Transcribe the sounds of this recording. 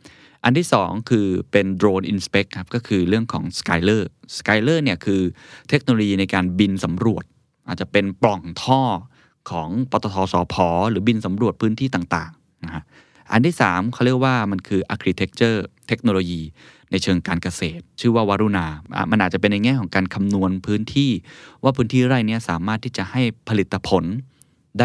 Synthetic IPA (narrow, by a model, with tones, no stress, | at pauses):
ʔa˧nt̪ʰiː˥˩sɔː˩˦ŋkʰɯː˧pe˧ndɾoː˧nʔi˧nspe˦˥kʰːa˦˥p̚kɔː˥˩kʰɯː˧ɾɯ˥˩əŋkʰɔ̰ː˩˦ŋska˧jlɤː˥˩ska˧jlɤː˥˩ni˥˩əkʰɯː˧t̪ʰe˦˥k̚no˧loː˧jiː˧na˧jkaː˧nbi˧nsa˩˦mɾu˨˩ət̪̚ | ʔaː˨˩t̪̚t͡ɕa˨˩pe˧nplɔ˨˩ŋt̪ʰɔː˥˩ | kʰɔː˩˦ŋpɔː˧t̪ɔ˧t̪ʰɔː˧sɔː˨˦pʰɔː˩˦ɾɯː˩˦bi˧nsa˩˦mɾu˨˩ət̪̚pʰɯː˦˥nt̪ʰiː˥˩t̪aː˨˩ŋt̪aː˨˩ŋ | na˧kʰa˦˥ʔ | ʔa̰˧nt̪ʰiː˥˩saː˩˦mkʰaː˥˩ɾi˥˩ək̚waː˥˩ma˧nkʰɯː˧ʔa˧˥kʰɾiː˧˩t̪ʰe˦˥k̚t͡ɕɤː˥˩t̪ʰe˦˥k̚noː˧loː˧jiː˧ | na˧jt͡ɕʰɤː˧ŋkaː˧nka˧seː˨˩t̪̚t͡ɕʰɯː˥˩waː˥˩waː˧ɾu˧˩na̰ː˧˩ma˧nʔːt̪̚t͡ɕa˨˩pe˧nːa˧jŋɛː˥˩kʰɔː˩˦ŋkaː˧nkʰa˧mnu˧ənpʰɯː˦˥nt̪ʰiː˥˩waː˥˩pʰɯː˦˥nt̪ʰiː˥˩ɾa˥˩jni˥ɐsaː˨˩˦maː˥˩t̪ʰːiː˥˩t͡ɕa˨˩ha˥˩jpʰa˧li˨˩t̪ʰːa˧pʰo˩˦n | daː˥˩